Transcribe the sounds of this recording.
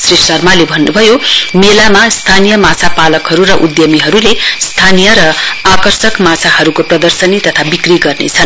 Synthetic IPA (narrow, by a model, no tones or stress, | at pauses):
srisʈʌrmalebʱʌnːubʱʌjomelamast̪ʰanijʌmat͡sʰapalʌkɦʌɾuɾʌʔud̪jʌmiɦʌɾulest̪ʰanijʌɾʌakʌrsʌkmat͡sʰahʌɾukoprʌd̪ʌrsʌnit̪ʌt̪ʰabikriɡʌrnḛt͡sʰʌn